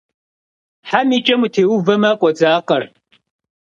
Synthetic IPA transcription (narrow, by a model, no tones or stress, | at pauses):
ħamit͡ʃʼɐmutʰeːwuvɐmakʷʼɔd͡zaːqʼɐr